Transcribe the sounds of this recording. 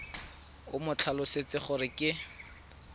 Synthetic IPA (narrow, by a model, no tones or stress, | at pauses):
ʊ̰mʊt͡ɬʰalʊset͡sɪχʊɾɪkʼɪ